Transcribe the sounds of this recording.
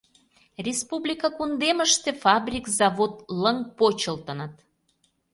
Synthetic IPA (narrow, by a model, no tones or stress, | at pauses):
rʲespublʲikɑkund̪eməʃt̪efɑbrʲikzɑβot̪ləŋpot͡ɕəlt̪ə̆nət̪